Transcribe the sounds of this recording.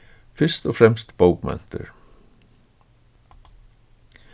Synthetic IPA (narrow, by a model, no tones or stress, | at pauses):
fɪr̥st̪ɔfɾɛmst̪powkmɛ̰n̥t̪ʏ̰ɾ̥